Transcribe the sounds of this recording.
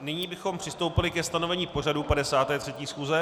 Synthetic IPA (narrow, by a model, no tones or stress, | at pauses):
nɪɲiːbɪxo̞mpr̥ɪst̪o̞wpɪlɪkɛst̪ano̞vɛɲiːpo̞r̝adupadɛsaːt̪ɛːt̪r̥ɛciːsxuːzɛ